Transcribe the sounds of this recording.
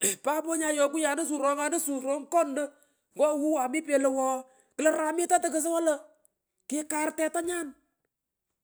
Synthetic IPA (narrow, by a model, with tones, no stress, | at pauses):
pa˦pɔ˦ɲa˧jɔ˨kʊ˦ja˨nə˦s̬u˨ɾɔ˨˦ŋa˨nə˦su˨ɾo˦ŋ˦kɔ˦ndə˦ | ŋɡɔ˦˨hu˦wa˨mi˦pe˨lə˨wɔː˨˦ | kɪ˨lə˦ɾa˨mɪ˦ta˦tə˨kə˨s̬ə˦wa˦lə˨ | ke˦ka˨ɾtɛ˨ta˦ɲa˦n